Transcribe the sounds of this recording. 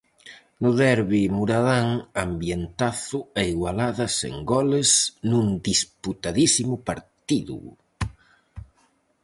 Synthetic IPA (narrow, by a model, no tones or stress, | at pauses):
nʊðɛɾβimuɾaðaŋambjent̪aθʊeiɣwalaðɐsḛŋɡɔlɪsnũnd̪isput̪aðisimʊpaɾt̪iðṵ